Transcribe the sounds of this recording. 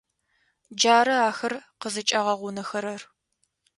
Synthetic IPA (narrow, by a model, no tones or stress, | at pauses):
d͡ʒaːɾɐaːxɐrqəzɨt͡ʃʼaʁɐʁʷʊnɐxɐɾɐr